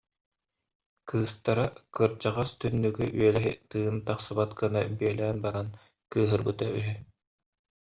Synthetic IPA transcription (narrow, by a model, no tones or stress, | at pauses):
kɯːst̪aɾakɯɾd͡ʑaʁast̪ynːyɡyʔyɛlɛɦit̪ɯːnt̪aχsɯbat̪kɯnabiɛlæːnbaɾan | kɯːɦɯɾbɯt̪ay̰ɦy